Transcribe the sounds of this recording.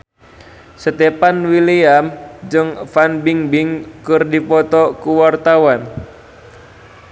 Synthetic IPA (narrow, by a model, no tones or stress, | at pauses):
sət̪ɛpanwiliamd͡ʒɨŋfanbiŋbiŋkɨrdipɔt̪ɔkuwart̪awan